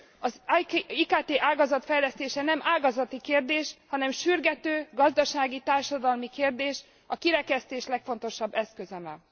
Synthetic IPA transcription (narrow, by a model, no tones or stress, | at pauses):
ɒziːkaːt̪eːʔaːɡɒzɒt̪fɛjlɛst̪eːʃɛnɛmʔaːɡɒzɒt̪ikeːrd̪eːʃhɒnɛmʃyrɡɛt̪øːɡɒzd̪ɒʃaːɡit̪aːrʃɒd̪ɒlmikeːrd̪eːʃ | ɒkiɾɛkɛst̪eːʃlɛkfo̞n̪t̪o̞ʃɒbːɛskøzɛmɛ